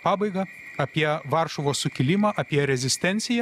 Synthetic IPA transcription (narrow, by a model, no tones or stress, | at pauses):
pɑːbɐɪɡɐ | ɐpʲiɛʋɑɾʃoʋoːsʊkʲɪlʲɪmɑːʔɐpʲiɛɾʲɛzʲɪsʲt̪ʲɛnʲt̪sʲɪjɛ